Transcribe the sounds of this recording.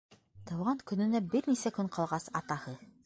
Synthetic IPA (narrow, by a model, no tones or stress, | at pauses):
t̪ɑwʁɑŋkɵ̆nɘ̆næbɘɾnisækɵɴqɑlˠʁɑsɑt̪ɑhɤ